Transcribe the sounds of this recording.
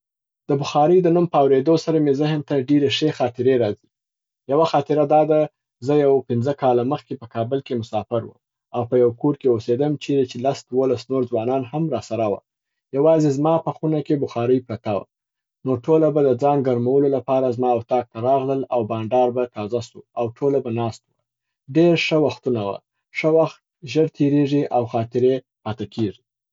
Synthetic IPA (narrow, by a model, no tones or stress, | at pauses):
d̪̥əbʊxɑɾəjd̪ənumpəawɾed̪osaɾamezɪɦənt̪aɖeɾeʂexɑt̪ɪɾeɾɑzi | jawaxɑt̪ɪɾad̪ɑd̪a | zəjawpɪnzəkɑlaməxkepəkɑbəlkemʊsɑfɪɾwə̰m | awpəjawkoɾkeosed̪əmt͡ʃeɾet͡ʃelasd̪wolasnoɾzwɑnɑnhamɾɑsaɾawa̰ | jawɑzezmɑpəxunakebʊxɑɾəjpɾat̪awa̰ | noʈʰolabad̪əd͡zɑŋɡaɾmawəlolapɑɾazmɑʊt̪ɑk̚t̪aɾɑɣləlawbɑɳɖɑɾbat̪ɑzasuawʈʰolabanɑst̪wə | ɖeɾʂəwaxt̪unawa̰ | ʂəwaxt̪ʒəɽt̪ʰeɾeʐiʔawxɑt̪ɪɾe | pat̪akʰeʐi